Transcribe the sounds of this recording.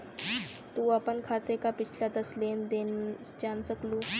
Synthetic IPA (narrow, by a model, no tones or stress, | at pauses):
t̪uːɐpənkʰaːt̪ekapɪt͡ʃʰlad̪ɐsleːnd̪en | d͡ʒaːnsəkluː